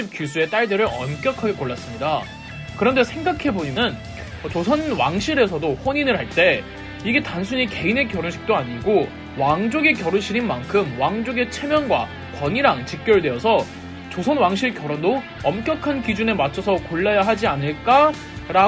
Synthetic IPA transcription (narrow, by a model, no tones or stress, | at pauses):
ip̚k͈jusʰue̞t͈aɭdɯɾɯɾʌmk͈jʌkʰaɡe̞koɭːas͈ɯmɲida | kɯɾʌnde̞sʰe̞ŋɡakʰe̞boɲinɯn | ʌt͡ɕosʰʌnwaŋɕʰiɾe̞sʰʌdoɸwoɲinɯɭhaɭt͈e̞ | iɡe̞tansʰuɲike̞ine̞kjʌɾunɕʰi̥k̚t͈oaɲiɡo | waŋd͡ʑoɡekjʌɾunɕʰiɾinmankʰɯmwaŋd͡ʑoɡe̞t͡ɕʰe̞mjʌnɡwa̰ | kwʌɲiɾaŋt͡ɕik̚k͈jʌɭdwe̞ʌsʰʌ | t͡ɕosʰʌnwaŋɕʰiɭkjʌɾʌndo | ʌmk͈jʌkʰankid͡ʑunemat͡ɕʰʌsʰʌkoɭːajaɦad͡ʑianɯɭk͈a | ɾa